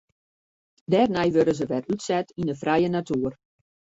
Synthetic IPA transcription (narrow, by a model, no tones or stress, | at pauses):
dɛːrnɛjʋøɾəzəʋɛrytsɛtinəfrɛjənatuər